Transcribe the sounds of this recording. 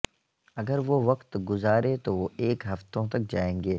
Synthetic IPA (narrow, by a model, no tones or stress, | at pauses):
ɐɡəɾʋoʋɐqt̪ɡʊzaːɾet̪oʋoeːkɦɐft̪õt̪ɐk̚d͡ʒaːẽːŋɡeː